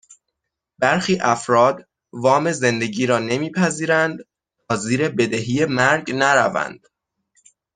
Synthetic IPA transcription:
bæɾxiːʔæfɾɒːd̪ | vɒːme̞ze̞nd̪e̞ɟiːɾɒːne̞miːpʰæziːɾænd̪ | tɒːziːɾe̞be̞d̪eɦije̞mæɾɟnæɾævæ̰nd̪̥

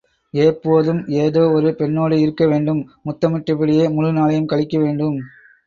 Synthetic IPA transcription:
eːpːoːðɯmeːðoːɔɾɯpɛɳːoːɽɯɪɾɯkːɐʋeːɳɖɯmːʊt̪ːɐmɪʈːɪpɪɽɪjeːmʊɻɯnaːlɐjɯmkɐɭɪkːɐʋeːɳɖɯm

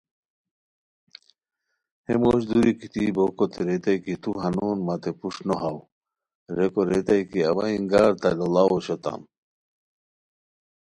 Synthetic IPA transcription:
hemoɕd̪uɾikit̪ibokot̪eɾet̪ajkit̪uɦanoːnmat̪epuʂnoɦaw | ɾekoɾet̪ajkiabaiŋɡaːɾt̪alolawoɕot̪a̰m

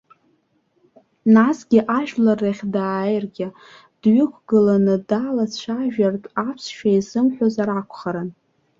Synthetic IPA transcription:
nasɡʲɪʔaʒᶣlaraχʲdaːjrɡʲɪ | d̥ɥʏkʷʰɡɨlanɨdalat͡ɕʷʰaʒᶣartʼapʰsʃᶣaizɨmħʷozaɾakʷʰχaɾɨn

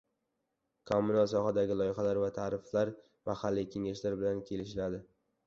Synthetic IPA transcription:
kʰomːʊnalsɒhad̪aɡʲɪlˠɒjɪχalaɾvat̪ʰaːɾɪflaɾ | mahalːikʲʰe̞ŋaʃlaɾbɪlankʲʰe̞lɪʃɪlad̪ɪ

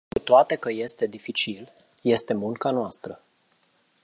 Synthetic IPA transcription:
kut̪oat̪e̞kəje̞st̪e̞d̪ifit͡ʃil | je̞st̪e̞muŋkanoast̪ɾə

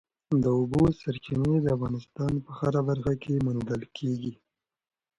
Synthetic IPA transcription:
d̪əʊbosaɾt͡ʃined̪əafɣɑnɪst̪ɑnpəxaɾabaɾxakemand̪əlkʰeɡi

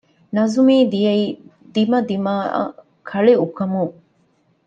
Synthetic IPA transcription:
nɐzumiːd̪ijɐi | d̪imɐd̪ima̰ː | kʰɐɭiukɐmu

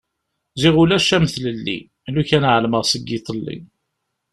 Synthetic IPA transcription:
ziʁulæʃæmθləlːḭ | luçænʕəlməʁsəɡit̪ˤəlːḭn

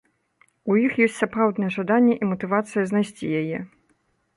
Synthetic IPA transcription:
ujixjɔsʲtʲsapɾawd̪nɐjɛʐad̪anʲːɛʔimɐt̪ɨvat̪sɨjɐznajsʲt͡sʲijajɛ

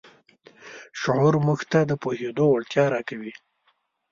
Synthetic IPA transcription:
ʃʊʕuɾmuxt̪ad̪əpohed̪owaɭt̪jɑɾɑkawi

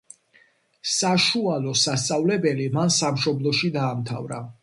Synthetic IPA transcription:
saʃualɔsast̪sʼavlɛbɛlimansamʃɔblˠɔʃid̪aːmt̪ʰa̰vɾa

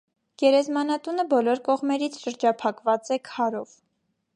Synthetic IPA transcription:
ɡ̥ɛɾɛzmɑnɑt̪unəbɔlɔɾkɔʁmɛɾit͡sʰʃəɾd͡ʒɑpʰɑkvɑt͡sɛkʰɑɾɔv

